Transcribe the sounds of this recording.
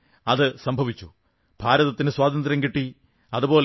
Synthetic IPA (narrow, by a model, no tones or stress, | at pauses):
ɐðɨsɐmbʱɐʋit͡ɕːu | bʱaːɾɐðɐt̪ːinɨswaːd̪ɐnd̪ɾɐmŋkiʈːi | ɐðubo̞ːl